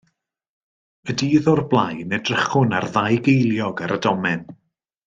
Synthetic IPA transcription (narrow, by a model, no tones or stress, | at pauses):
ədiːðɔrblˠajnɛdrəχʊna̰rðajɡejlˠjɔɡaɾədɔmɛn